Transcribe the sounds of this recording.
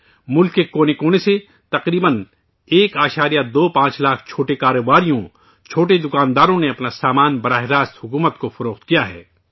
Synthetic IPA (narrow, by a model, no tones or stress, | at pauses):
mʊlkːekoːnekoːnese | t̪ɐqɾiːbən | eːkaːʃaːɾijad̪oːpãːt͡ʃlaːkʰt͡ʃʰoːʈekaːɾobaːɾijõ | t͡ʃʰoːʈed̪ʊkaːnd̪aːɾõneɐpnasaːmaːnbɐɾaːɦɪɾaːst̪ɦʊkuːmət̪kofɐɾoːxt̪kijaɦɛ̰ː